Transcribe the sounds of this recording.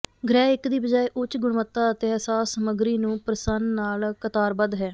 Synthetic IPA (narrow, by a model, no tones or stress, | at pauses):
ɡɾɛːɪkd̪iːbəd͡ʒaːeːʔʊt͡ʃɡʊɳmət̪ːaːət̪eːɛsaːsəməɡɾiːnũːpɾəsənnaːlkət̪aːɾbəd̪ɦɛː